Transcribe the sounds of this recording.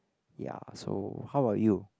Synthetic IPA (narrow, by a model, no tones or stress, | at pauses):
ja̰so̰haʊaju